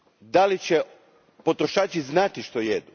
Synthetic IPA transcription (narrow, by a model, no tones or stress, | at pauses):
d̪alit͡ɕe | po̞t̪ɾoʃaːt͡ʃiznat̪iʃt̪o̞jed̪u